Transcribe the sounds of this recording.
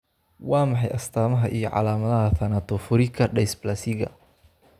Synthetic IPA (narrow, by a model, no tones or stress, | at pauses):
wɑːmɑħɑjʔɐst̪ʰaːmɐɦɐʔijɔʕɑ̰laːmɐðɐɦɐθɐnɐt̪ʰɔfʊɾɪkʰɐɖɛjsblɐsɪɣɐ̰